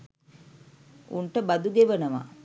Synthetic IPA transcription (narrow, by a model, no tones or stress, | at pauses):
uɳʈəbad̪uɡ̪eʋənəʋa̰